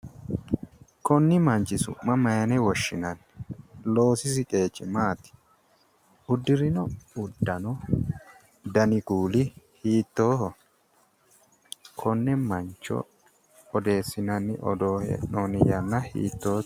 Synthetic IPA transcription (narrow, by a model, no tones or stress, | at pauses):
kɔnːɪmɐnt͡ʃːɪsʊ̰mɐmɐjɐnɛwɔʃːɪnɐnː | lo̞ːsɪs̬ɪkʼe̞ːt͡ʃːɪmaːt̪ɪ̥ | ʊd̪ːɪɾɪnɔʊd̪ːɐnɔ | d̪ɐnɪɡuːlɪhiːt̪ːoːhɔ | kʰɔnːɛmɐnt͡ʃːɔ̰ | ɔd̪e̞ːsːɪnɐnːɪ̰ʔɔ̰d̪oːhɛ̰noːnɪjɐnːɐhḭːt̪ːoː